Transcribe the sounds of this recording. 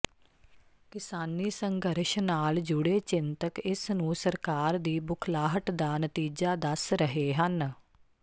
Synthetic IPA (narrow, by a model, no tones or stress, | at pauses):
kɪsaːnːiːsə̃ŋɡəɾʃnaːld͡ʒʊɽeːt͡ʃɪnt̪əkɪsnũːsəɾkaːɾd̪iːbʊkʰlaːɦəʈd̪aːnət̪iːd͡ʒaːd̪əsɾəɦeːɦən